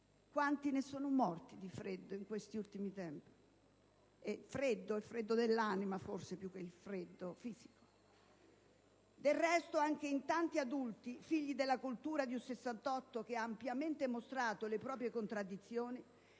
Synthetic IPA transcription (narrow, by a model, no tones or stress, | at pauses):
kwant̪inesoːnomɔrt̪id̪ifɾed̪ːoiŋkwest̪iult̪imit̪ɛmpi̥ | efɾed̪ːoɛfɾed̪ːod̪elːanimaforsepjuk̟ːeilfɾed̪ːofiːz̥i̥ko̥ | d̪elrɛst̪oaŋk̟eint̪ant̪iad̪ult̪ifiʎːid̪elːakult̪uːɾad̪iusesːant̪ɔt̪ːok̟eaːmpjament̪emost̪ɾaːt̪olepɾɔːpɾjekont̪ɾad̪ːit̪sːjoːni